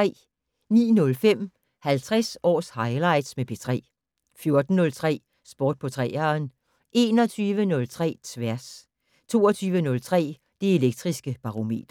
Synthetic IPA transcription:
ɛ̰ː | nḭːnɔ̽lfem̰ | hælt͡sʰʁasɒ̰ːshɑ̈ɪlɑ̈ɪ̰d̥smepʰet͡sʰʁɛ̰ː | fjo̝ɐd̥n̩ːɔ̽lt͡sʰʁɛ̰ː | sb̥ɒːd̥̚pʰɒ̽t͡sʰʁɛ̰ːɐn | ʔe̝ːnɒ̽t͡sʰyːʋənɔ̽lt͡sʰʁɛ̰ːt͡sʰʋæɐs | t͡sʰo̝̰ːɒt͡sʰyːʋənɔ̽lt͡sʰʁɛ̰ː | d̥ee̝leɡ̥̚d̥ʁisɡ̥əb̥ɑ̈ʁome̝̰ːd̥ɐ

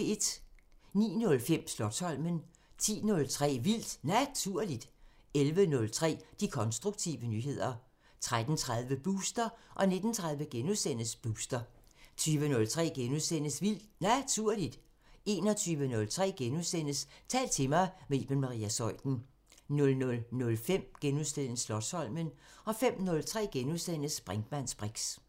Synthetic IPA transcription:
e̝d̥nḭːnɔ̽lfem̰slɒ̽d̥shɒ̽l̰mən | t͡sʰḭːnɔ̽lt͡sʰʁɛ̰ːʋil̰d̥næt͡sʰuɐ̰lid̥ | elʋənɔ̽lt͡sʰʁɛ̰ːd̥ikʰɒ̽nsd̥ʁuɡ̥̚t͡sʰiːʋənyːɦe̝ð̞̰ˠɐ | t͡sʰʁad̥n̩t͡sʰʁað̞ˠʋəb̥uːsd̥ɐʔɒ̽ne̝d̥n̩t͡sʰʁað̞ˠʋəɡ̥enusen̰əsb̥uːsd̥ɐt͡sʰyːʋənɔ̽lt͡sʰʁɛ̰ːɡ̥enuðˠsen̰əsʋil̰d̥næt͡sʰuɐ̰lid̥ | e̝ːnɒ̽t͡sʰyːʋənɔ̽lt͡sʰʁɛ̰ːɡ̥enuðˠsen̰əst͡sʰɛ̰ːld̥t͡sʰe̝mɑ̈ɪme̝b̥enmɑ̈ʁḭːæsɒ̽ɪ̰d̥n̩ | nɔ̽lnɔ̽lnɔ̽lfem̰ɡ̥enuðˠsd̥el̰slɒ̥̽shɒ̽l̰mənɒ̽fem̰nɔ̽lt͡sʰʁɛ̰ːɡ̥enuðˠsen̰əsb̥ʁaŋd̥mæn̰sb̥ʁeɡ̥s

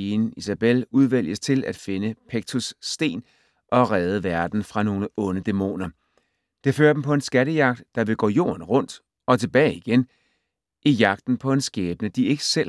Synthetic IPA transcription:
inisæb̥eluð̞ˠʋæl̰jəst͡sʰe̝læd̥fe̝nəpʰeɡ̥̚t͡sʰusːd̥e̝̰ːn | ʔɒ̽ʁɛːð̞ˠəʋæɐd̥n̩fʁɑ̈no̝ːləɔ̽nəd̥e̝mo̝̰ːnɐ | d̥e̝fø̰ːɐd̥em̩pʰɒ̽e̝nsɡ̥æɾəjɑ̈ɡ̥̚d̥ːɑ̈ʋe̝ɡ̥ɔ̰ːjo̝̰ːɐnʁɔ̽n̰d̥ | ɒ̽t͡sʰe̝b̥ɛːɪiɡ̥en | ʔijɑ̈ɡ̥̚d̥n̩pʰɒ̽e̝nsɡ̥ɛːb̥ənəd̥ie̝ɡ̥əsel̰

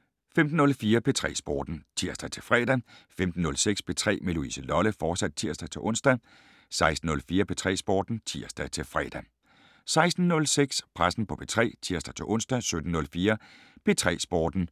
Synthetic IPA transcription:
femd̥n̩ɔ̽lfiːɐpʰe̝t͡sʰʁɛ̰ːsb̥ɒ̰ːd̥n̩t͡sʰiɐ̰sd̥æt͡sʰe̝fʁɛ̰ːd̥æfemd̥n̩ːɔ̽lseɡ̥sb̥e̝t͡sʰʁɛ̰ːmeluḭsəlɒ̽ləfɒːsæd̥̚t͡sʰiɐ̰sd̥æt͡sʰe̝ʔɔ̽n̰sd̥æ | sɑ̈ɪsd̥n̩ɔ̽lfiːɐpʰet͡sʰʁɛ̰ːsb̥ɒ̰ːd̥n̩t͡sʰiɐ̰sd̥æt͡sʰe̝lfʁɛ̰ːd̥æ | sɑ̈ɪsd̥n̩ːɔ̽lseɡ̥spʰʁasn̩pʰɒ̽pʰet͡sʰʁɛ̰ːt͡sʰiɐsd̥æt͡sʰe̝ʔɔ̽n̰sd̥æsød̥n̩nɔ̽lfiːɐ | pʰe̝t͡sʰʁɛ̰ːsb̥ɒ̰ːd̥n̩

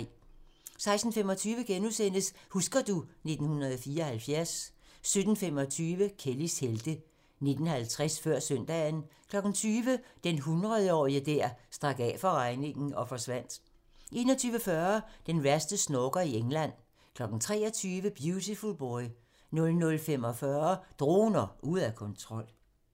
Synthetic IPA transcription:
sɑ̈ɪsd̥n̩femɒ̽t͡sʰyːʋəɡ̥enusen̰d̥əshusɡ̥ɐd̥une̝d̥n̩hunʁɐðˠfiːɐːhælfjæɐ̰sːød̥n̩fem̰ɒ̽t͡sʰyːʋəkʰelisheld̥ə | ne̝d̥n̩hælt͡sʰʁɛsfɶɐ̰sœn̰d̥ɛːn̩kʰlɒ̽ɡ̥n̩t͡sʰyːʋəd̥enɦunʁɐð̞ˠəɒ̰ːiəd̥æɐsd̥ʁɑ̈ɡ̥ɛːfɒ̽ʁɑ̈ɪne̝ŋn̩ʔɒ̽fɒ̽sʋæn̰d̥ | ʔe̝̰ːnɒt͡sʰyːʋəfɶɐd̥enʋæɐsd̥əsnɔɡ̥ɐieŋlæn̰ | kʰlɒ̽ɡ̥n̩t͡sʰʁɛ̰ːɒt͡sʰyːʋəb̥jut͡sʰifulb̥ɒɪ | nɔ̽lnɔ̽lfem̰ɒ̽fɶːɐd̥ʁo̝̰ːnɐʔuð̩̰ˠækʰɔ̽nt͡sʰʁɒ̽l̰

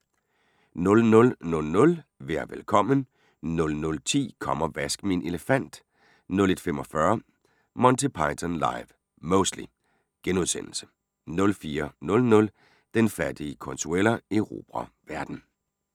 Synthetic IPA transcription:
nɔ̽lnɔ̽lnɔ̽lnɔ̽lʋeɐ̰ʋelkʰɒ̽m̰ən | nɔ̽lnɔ̽lt͡sʰḭːkʰɒ̽m̰ɐʋæsɡ̥minʔe̝ləfæn̰d̥ | nɔ̽le̝d̥femɒ̽fɶɐ | mɒ̽nt͡sʰipʰɑ̈ɪt͡sʰɒnlɑ̈ɪʋ | mɔʊsd̥lḭ | ɡ̥enuðˠsen̰l̩sə̥ | nɔ̽lfiːɐnɔ̽lnɔ̽l | d̥enfæd̥iəkʰɔ̽nsʰuel̰ɐeʁo̝̰ːb̥ʁɐʋæɐd̥n̩

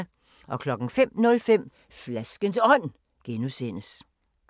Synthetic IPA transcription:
ʔɒ̽kʰlɒ̽ɡ̥ŋ̩fem̰nɔ̽lfem̰ | flæsɡ̥ənsɒ̽n̰ | ɡ̥enuse̝n̰əs

